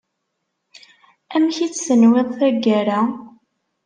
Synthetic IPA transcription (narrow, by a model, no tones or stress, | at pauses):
æmçit͡sːsənwɪðˤθæɡːæɾa